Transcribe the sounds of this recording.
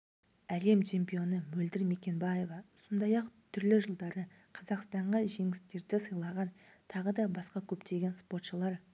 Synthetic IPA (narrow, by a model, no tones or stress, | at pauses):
æle̞mt͡ʃʰe̞mpijo̞nəmɵld̪ɪɾme̞kʲe̞nbaje̞vɑʊsənd̪ɑjɑqt̪ʰʏɾlɪʒəlˠd̪ɑɾə | qʰɑzɑqst̪ɑɴʁɑʒe̞ŋɪst̪e̞ɾd̪ɪsəjlˠɑʁɑn | t̪ʰɑʁəd̪ɑbɑsqɑkʲʰɵpt̪e̞ɡʲe̞nspo̞rt̪ʃəlˠɑɾ